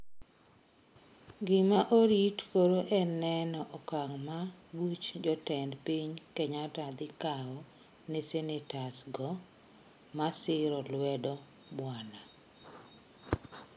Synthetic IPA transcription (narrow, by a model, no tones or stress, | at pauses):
ɡɪmaʔoɾitkoɾoʔɛnɛnɔʔɔkaŋmawut͡ʃd͡ʒɔtɛndpiɲkeɲatad̪ɪkaɔ | nesenetasɡɔ | masɪɾɔlwɛdɔ | bwana